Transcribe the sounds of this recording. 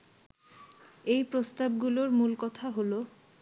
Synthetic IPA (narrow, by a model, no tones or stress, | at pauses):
ejpɾost̪ab̚ɡuloɾmulkɔt̪ʰaɦolo